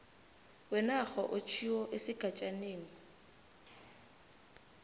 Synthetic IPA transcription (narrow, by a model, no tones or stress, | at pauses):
wɛnaχɔʔʊt͡ʃʰiɔʔɪsɪkʼat͡ʃʼaneːni